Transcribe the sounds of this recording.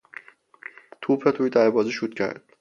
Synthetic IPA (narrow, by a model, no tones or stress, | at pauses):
t̪ʰuːpʰet̪ʰuːjd̪æɾbɒːziʃut̪̚cʰæ̰ɾd̪̥̚